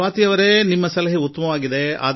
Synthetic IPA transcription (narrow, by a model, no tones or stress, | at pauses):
aːt̪ijɐʋɐɾenimːɐsɐlɐɦiut̪ːɐmɐʋaːɡid̪e̞a̰ːd̪